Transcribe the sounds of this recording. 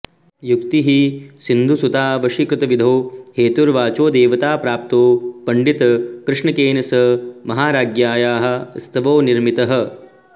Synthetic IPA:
jukt̪iɦisind̪ʱusut̪aːʋɐʃikɐt̪ɐʋid̪ʱoːheːt̪uɾʋaːt͡ʃoːd̪eːʋɐt̪aːpɾaːp̚t̪oːpɐɳɖit̪ɐkɾɪʂɳɐkeːnɐsɐmɐɦaːɾaːɡjaːjaːɦɐ̆st̪ʰɐʋoːniɾmit̪ɐɦɐ̆

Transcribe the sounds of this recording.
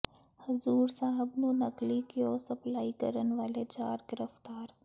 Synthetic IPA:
hɐzuːɾsaːɦəbnunɐklikeoːsɐplaːikəɾənʋaːled͡ʒaːɾɡɪɾəft̪aːɾ

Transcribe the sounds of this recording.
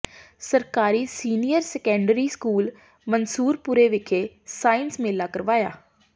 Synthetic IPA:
səɾkaːɾiːsiːnijəɾsɛːkɛ̃ːɳɖɾiːskuːl | mənsuːɾpʊɾeːʋɪkʰeː | saːɪnsmeːlːaːkəɾʋaːja̰ː

